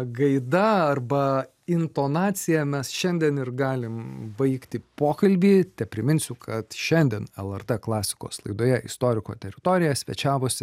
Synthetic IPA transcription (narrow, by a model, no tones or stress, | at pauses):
ɡɐɪd̪ɐɐrbɐ | ɪnt̪oːnɑːsʲɪjɛmʲɛsʃʲɛnʲd̪ʲɛnɪrɡɑːlʲɪmbɐɪkt̪ʲɪpoːkɐlʲbʲiːt̪ʲɛpʲɾʲɪmʲɪnʲsʲʊkʰɐt̪ʃʲɛnʲd̪ʲɛnɛlˠɛrt̪ɛklˠɑːsʲɪ̥ko̰ːslˠɐ̰ɪd̪oːjɛʔɪ̰st̪oːɾʲɪkoːt̪ʲɛɾʲɪt̪oːɾʲɪjɛsʲʋʲɛ̰t͡ʃʲæːʋoːsʲɪ